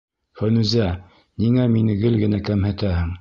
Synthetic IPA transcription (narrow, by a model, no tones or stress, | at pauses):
fænʉzæ | niŋæminɘɡɘlɡɘ̆nækæmhɘ̆t̪æhɘŋ